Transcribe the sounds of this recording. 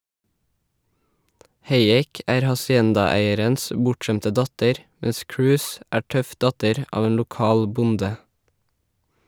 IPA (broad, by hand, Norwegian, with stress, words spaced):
ˈheɪˌeːk ˈæːɾ hɑsɪˈɛndɑˌæɪəɾəns ə ˈbʊʈˌʃɛmtə ˈdɑtəɾ ˈmɛs ˈkɹʉːs ˈæː ˈʈœf ˈdɑtəɾ ˈʔɑːʋ ˈeːn lʊˈkɑːl ˈbʊndə